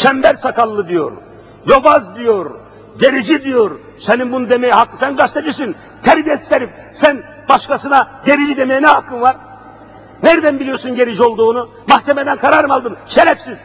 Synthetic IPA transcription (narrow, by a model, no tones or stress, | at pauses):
ʃʰɛmbæɾsakʰalˠːɯd̪ijo̰ɾ | jo̞bazd̪ijoɾ | ɟe̞ɾid͡ʒid̪ijoɾ | seninbunud̪emejihakːsænɡaʃt̪ʰad͡ʒɯsin | t̪ʰæɾbijesi̥seɾip | sæn | baʃkasɯnaɟe̞ɾid͡ʒid̪e̞mejinɛhakʰːɯnvaɾ | næɾd̪ænbilʲijoɾsunɟe̞ɾid͡ʒio̞lˠd̪uːnu | mahc̪ʲʰemed̪ænkʰaɾaɾɯmalˠd̪ɯmʃeɾɛfsiz̥